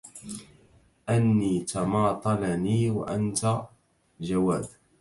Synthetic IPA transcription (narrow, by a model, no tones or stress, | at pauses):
ʔanːiːt̪ɑmɑːt̪ˤɑlaniːwa̰ʔant̪a | d͡ʒawaːd̪